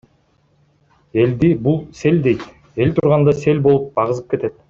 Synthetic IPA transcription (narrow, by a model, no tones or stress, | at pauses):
e̞ld̪ibulˠse̞lʲd̪e̞jt̪ | e̞lt̪ʰuɾʁɑnd̪ɑse̞lʲbo̞lˠup̚bɑʁɯzɯp̚ke̞t̪e̞t̪̚